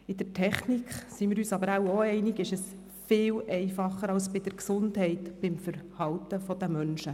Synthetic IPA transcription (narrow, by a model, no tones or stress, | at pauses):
ɪd̥̪əɾtʰɛχnikχsimɪːɾyːsɑbəɾawoɛɪnɪɡɪʃɛs | fɪːwʔɛɪfɑχːəɾɑlsb̥ɪd̥əɾksʊndhɛɪtb̥ɪmfəɾhɑwtəfɔd̪əmœnʃə